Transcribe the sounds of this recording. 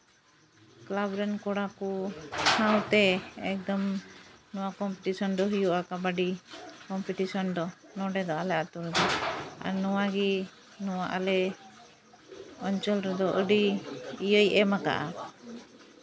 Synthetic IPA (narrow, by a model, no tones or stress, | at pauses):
klabɾɛnkɔɽakɔhawt̪ɛɛ̰k̚d̪ɔmnɔwakɔmpiʈisɔnd̪ɔɦijuʔakabaɖikɔmpiʈisɔnd̪ɔ | nɔɖɛd̪ɔalɛat̪uɾɛd̪ɔa̰nɔwaɡi | nɔwaʔalɛ | ɔɲt͡ʃəlɾɛd̪ɔʔəɖiijəjʔɛmaka̰ʔa